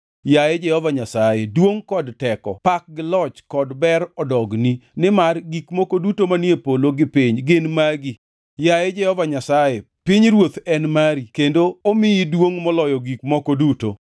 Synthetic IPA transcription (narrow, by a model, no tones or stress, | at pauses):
jaed͡ʒɛhɔvaɲasajedwoŋkɔdtɛkɔ̰pak̚ɡɪlɔt͡ʃkɔdbɛɾɔdɔɡninɪmarɡikmokodutomanjepoloɡɪpiɲɡɪnmaɡi | jajed͡ʒɛhɔvaɲasaje | piɲɾwot̪ɛnmaɾikendoomɪidwoŋmɔlɔjɔɡik̚mɔkoduto̰